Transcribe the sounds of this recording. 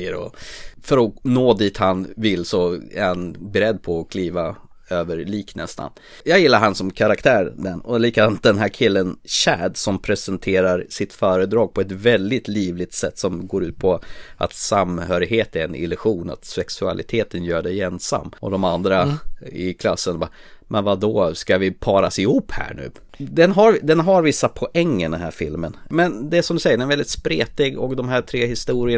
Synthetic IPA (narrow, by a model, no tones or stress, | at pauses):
əɾɔ̰fœɾɔnoːd̪iːt̪hanvɪlsɔæ̰ɾhanbɛɾɛd̪ːpʰɔːkʰliːva | øːvəɾɭiːknɛ̰st̪ʰa̰n | jɑːɡjɪlːaɾɦansɔmkʰaɾakt̪ʰæːɾɖɛnɔliːkad̪ant̪̚d̪ɛnɦæːɾkʰɪlːənɕæːd̪sɔmpʰɾɛsɛnt̪ʰeːɾaɾsɪt̪fœːɾəd̪ɾɑːɡ̚pʰɔɛt̪vɛld̪ɪt̪liːvlɪt̪sɛt̪ːsɔmɡoːɾʉ̟ːt̪̚pʰɔa̰t̪samhœːɾɪɡheːt̪æɾɛnɪ̰lʉɧuːna̰t̪sɛksɵa̰lʔɪ̰t̪ʰeːt̪ənjœːɖɛjɛnsa̰mːɔ̰d̪ɔmand̪ɾaɪkʰla̰sːənabamʔɛnvad̪ɔskavɪpʰɑːɾasɪhuːpːhæ̰ːɳʉ̟̰ː | d̪ɛnɦaɾd̪ɛnɦaɾvɪsːapʰɔʔɛŋːənd̪ɛnɦæ̰ːɾfɪlmənmɛnd̪ɛæsɔmd̪ɵsɛjːəɖɛɛɾvɛld̪ɪt̪spɾeːt̪ɪɡɔk̚d̪ɔmɦæːʈʰɾeːhɪst̪uːɾɪə